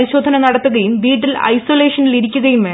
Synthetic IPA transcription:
ɾiɕo̞ːd̪ʱɐnɐnɐɽɐt̪ːɐðɐjumʋiːʈːilɐ̰jso̞ːleːʂɐniliɾikʲːuɣɐjumɐ

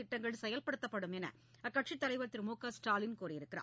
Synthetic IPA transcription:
ɪʈːɐŋɡɐɭsɛjɐlpɐɽɯt̪ːɐpːɐɽɯmɛnɐ̰ | ɐkːɐʈʂit̪ːɐlɐɪʋɐt̪ːɪɾmuːkaːsʈaːlɪnkuːɾɐjɪɾɯkːɪra̰ː

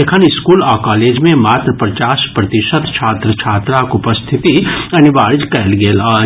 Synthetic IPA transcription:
ekʰənɪskuːlɔːkaːleːd͡ʒmẽmaːt̪ɾəpɾɐt͡ʃaːʃpɾɐt̪ɪʃət̪t͡ʃʰaːt̪ɾət͡ʃʰaːt̪ɾakʊpəst̪ʰɪt̪iɐnɪʋaːɾd͡ʒkɐlɡeːla

